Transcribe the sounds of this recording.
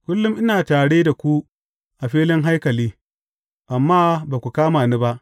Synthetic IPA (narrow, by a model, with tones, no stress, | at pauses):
kʷʊ˦lːʊ˦mʔɪ˦naː˨taː˨ɽeː˦da˨kʷu˦ | ʔa˨ɸiː˦lɪ˦ŋɦa˦jkɐ˨liː˦ | ʔa˨mːaː˦baː˨kʷu˨kaː˦maː˨niː˦ba˦ʔ